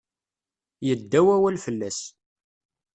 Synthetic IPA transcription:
jəd̪ːæwæwælfəlːæs

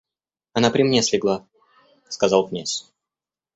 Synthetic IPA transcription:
ɐnapɾʲɪmnʲesʲlʲɪɡlˠa | skɐzalˠknʲasʲ

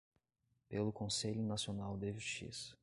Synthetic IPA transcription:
pelʊkõseʎʊnasionawd̪eʒuʃt͡ʃḭsɐ̥

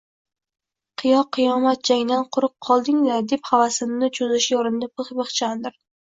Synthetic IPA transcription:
qʰɨjɒqʰːɨjɒmat̪̚d͡ʒaŋʲd̪anqʰʊɾɨp̚qʰɒlˠd̪ɪŋlaɾd̪e̞phavasɪmnɪt͡ʃʰozɪʃɪjɒɾɪnd̪apʰɨχbɨχt͡ʃʰand̪ɪɾ

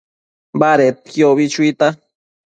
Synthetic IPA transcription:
baɾet̪̚kjoβit͡ʃuit̪a

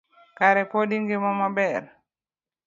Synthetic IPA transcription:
kaɾɛpɔdiŋɡimɔmabɛɾ

